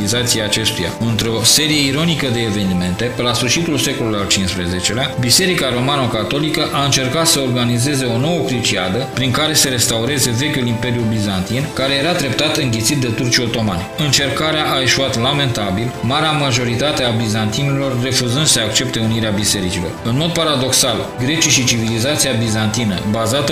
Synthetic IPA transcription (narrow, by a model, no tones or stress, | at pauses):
izat̪siaːt͡ʃe̞st̪uja̰ɨnt̪ɾeo̞se̞ɾije̞iɾo̞nikəd̪e̞ːve̞nime̞nt̪e̞pelasfɨrʃit̪ulse̞ko̞lujalt͡ʃinspɾeze̞t͡ʃe̞leabise̞ɾikaɾo̞manəkat̪o̞likəʔaɨnt͡ʃe̞rkat̪səorɡanize̞ze̞o̞no̞wəkɾit͡ʃia̰d̪əpɾiŋkaɾe̞seɾe̞st̪auɾe̞ze̞ve̞kʲulimpe̞ɾjubizant̪inkaɾe̞je̞ɾad̪ɾe̞p̚t̪at̪ɨŋɡʲet̪sit̪̚d̪e̞t̪urt͡ʃio̞t̪o̞ma̰nɨnt͡ʃe̞rkaɾeaʔae̞ʃuat̪lame̞nt̪abilmaɾeamaʒo̞ɾit̪at̪e̞abizant̪inelo̞rːe̞fuzɨnd̪səak̚t͡ʃe̞pt̪e̞uniɾeabise̞ɾit͡ʃilo̞̰rɨnmo̞d̪̚paɾad̪o̞ksal | ɡɾe̞t͡ʃaʃit͡ʃivilizat̪siabizant̪inə̰bazat̪ə